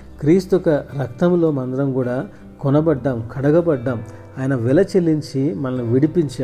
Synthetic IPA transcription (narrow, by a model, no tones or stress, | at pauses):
kɾiːst̪uɔkɐɾɐk̚t̪ɐmlo̞ːmɐnd̪ɐɾɐmkuːɽaː | kɔnɐbɐɖːaːmkʰɐɽɐɡɐbɐɖːaːm | aːjɐnɐʋilɐt͡ʃelːiɲt͡ʃimɐlɐnuʋiɽipiɲt͡ʃaː